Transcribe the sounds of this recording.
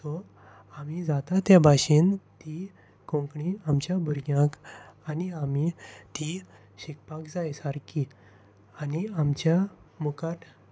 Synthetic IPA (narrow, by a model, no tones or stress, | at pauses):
tɔ | amid͡zat̪at̪jabʱaɕint̪i | kõŋkɳiamt͡ɕjabʱuɾɡjãkaniamit̪i | ɕik̚pakd͡zajsaɾki | aniamt͡ɕja | mukaʈ̪